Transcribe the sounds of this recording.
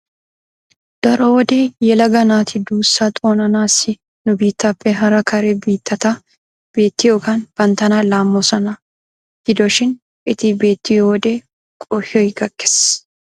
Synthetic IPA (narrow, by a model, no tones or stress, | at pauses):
d̪̥ɐɾɔwɔd̪eːjɛlɐɡɐnaːt̪ʰɪd̪uːsːaːt̪ʼo̞ːnɐnaːsɪ | nʊbiːt̪ːɐpːɛɦɐɾɐkʰɐɾɛbiːt̪ːɐt̪ɐ | b̥e̞ːt̪ːɪjoːkɐnb̥ɐnt̪ɐnaːlaːmːosɐnɐ | ɡ̥ɪd̪ɔʃɪn | ɪt̪ɪbe̞ːt̪ːɪjoːd̪eː | kʼɔhoɡɐkːe̥s